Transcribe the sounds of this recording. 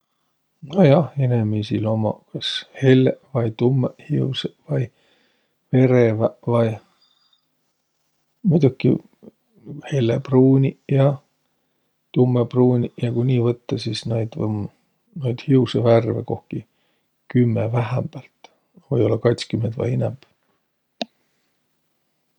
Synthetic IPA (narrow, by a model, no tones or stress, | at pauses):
nojɑhenemisilo̞mɑ̰kɑshelːevɑjt̪umːehiusevɑj | ve̞ɾevævɑj | mud̪ukːˑi | helːepruːnʲijɑ | t̪umːepruːnʲijɑkunʲiːvɤt̪ːɑsisnejd̪vm | nojd̪̥hiuseværveko̞hki | kymːevæɦæmb̥ælt̪ | vɤjo̞lːɑkɑjt̪skymːent̪vɑ̰jenɛ̰mb̥